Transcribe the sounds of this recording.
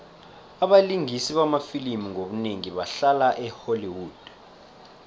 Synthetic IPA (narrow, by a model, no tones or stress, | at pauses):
aɓaliŋʱisiɓamafilimiŋʱoɓuneŋiɓaɬalaʔɛholiwuːd̥